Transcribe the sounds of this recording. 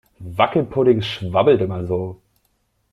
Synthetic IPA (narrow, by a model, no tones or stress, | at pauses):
vakl̩pʰʊdɪŋʃvabl̩tɪmazoː